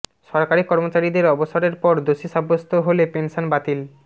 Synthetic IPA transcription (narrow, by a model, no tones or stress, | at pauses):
ʃɔɾkaɾikɔɾmot͡ɕaɾid̪eɾɔboʃoɾeɾpɔɾd̪oʃiʃabːost̪ʰoɦolepenʃonbat̪il